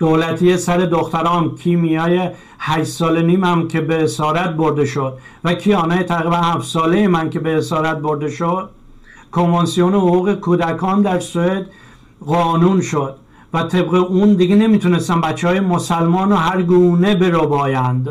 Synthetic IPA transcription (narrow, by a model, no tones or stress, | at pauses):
d̪̥olæt̪ʰijesæɾe̞d̪oxt̪æɾɒːnkʰimijɒːje | hæʃsɒːleniːmæmkʰe̞beːsɒːɾæt̪̚boɾd̪e̞ʃod̪̥̚vækʰiːɒːnɒːjet̪ʰæɣɾiːbænhæfsɒːlejemænkʰe̞be̞ːsɒːɾæt̪̚boɾd̪e̞ʃod̪̥̚ | kʰo̞ɱvɑnsijonehoɣuːɣekʰuːd̪ækʰɒːnd̪æɾsoed̪ | ɣɒːnuːnʃod̪̥̚ | væt̪ʰe̞bɣeʔuːnd̪iɡene̞miːt̪ʰune̞st̪æmbæt͡ʃːehɒːjemosælmɒːnoɦæɾɡuːne̞be̞ɾobɒːjænd̪